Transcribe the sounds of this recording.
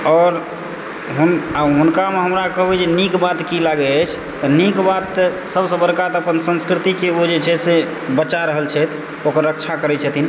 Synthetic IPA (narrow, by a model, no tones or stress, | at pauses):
ɔːɾ | ɦunaɦunkameɦəmɾakəɦbɛd͡ʒenikbat̪kilaɡɛət͡ʃʰ | t̪ənikbat̪ː | səbsə̃bəɾkat̪əpənsə̃nskɾit̪ikeod͡ʒet͡ʃʰɛse | bət͡ʃaɾəɦəlt͡ʃʰɛt̪ʰ | okəɾːəkt͡ʃʰakəɾɛt͡ʃʰət̪ʰin